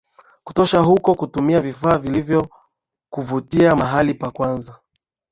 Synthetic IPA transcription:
ku̥tɔʃaɦukɔkutumiavifaːvilivjɔ | kuvutiamaɦalipakwanza

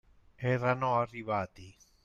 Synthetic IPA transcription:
ɛɾanɔariβat̪i

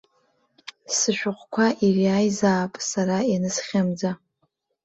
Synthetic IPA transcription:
sɨʃᶣʊqʷkʷʰaʔiriajzaːpʼsaɾajanɨsχʲamd͡za

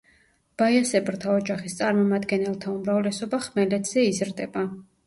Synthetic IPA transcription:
b̥ajasɛbɾt̪ʰaɔd͡ʒaχist̪sʼaɾmɔmad̪ɡɛnɛlˠt̪ʰaumɾavlɛsɔbaχmɛlɛt̪ʰz̥ɛizɾd̪ɛba

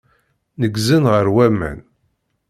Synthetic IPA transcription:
nəɡzənʁəɾwæmæ̰n

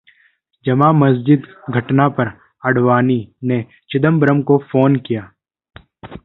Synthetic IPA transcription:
d͡ʒɐmamɐs̬d͡ʒɪd̪ɡʱɐʈnapɐɾ | ɐɽʋaːnine | t͡ʃɪd̪əmbɾəmkofoːnkijaː

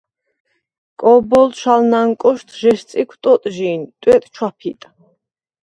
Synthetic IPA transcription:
kʼɔbɔlʃalnaŋkʼɔʃt̪ʰʒɛʃt̪sʼikʰt̪ʼɔt̪ʼʒint̪ʼwɛt̪ʼt͡ʃʰwapʰit̪ʼ

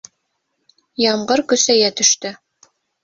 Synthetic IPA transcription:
jɑmɢɤɾkɵ̆sæjæt̪ɵ̆ʃt̪ɘ

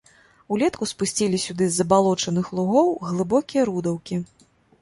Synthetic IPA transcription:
ulʲɛt̪kuspusʲt͡sʲilʲisʲud̪ɨzːɐbalˠɔt͡ʂɐnɨxlˠuɣɔwɣlˠɨbɔkʲijɐɾud̪ɐwkʲi

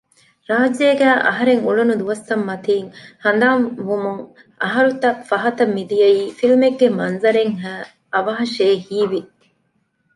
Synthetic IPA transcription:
ɾaːd͡ʒeːɡæːʔɐ̰ɦɐɾeŋuɭunud̪uʋɐst̪ɐmːɐt̪iːŋhɐn̆d̪aːmʋumuŋ | ʔɐɦɐɾut̪ɐfɐɦɐt̪ɐmːid̪ijɐiːfilmeɡːemɐnzɐɾeŋɦæː | ɐʋɐɦɐʃeːhiːʋi

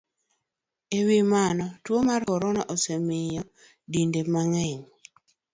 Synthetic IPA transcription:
ewimanɔtwomaɾkɔɾɔnɔʔɔsemɪjɔ | dindemaŋɛŋ

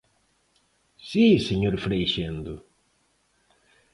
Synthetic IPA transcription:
siseɲoɾfɾejʃẽnd̪ʊ

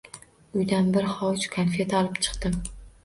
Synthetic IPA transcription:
ʊjd̪anbɪɾχɒwt͡ʃkʰanfe̞t̪ʰaolˠɪpt͡ʃʰɨ̥qt̪ɪm

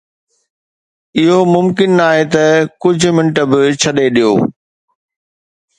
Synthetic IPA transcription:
ɪɦomʊmkɪnːaːɦet̪ɐkʊd͡ʑʱʊ̆mɪ̃ɳʈə̆bɪt͡ɕʰɐɗeɗijo̰ː

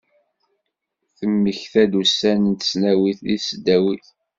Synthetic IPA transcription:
θəmːəçθæd̪usænənt̪ə̥snæwiθðisəd̪ːæwiθ

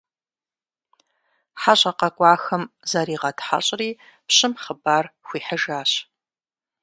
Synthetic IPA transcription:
ħaɕʼɐqɐkʷʼɑːxɐmzɐɾiːʁɐtʰħa̰ɕʼriː | pɕɨmχəbaːrxʷiːħəʒaːɕ

